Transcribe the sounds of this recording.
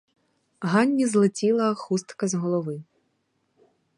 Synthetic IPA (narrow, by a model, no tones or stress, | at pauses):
ɦɑnʲːizlˠɪtʲilˠɐxust̪kɐzɦɔlˠɔʋɪ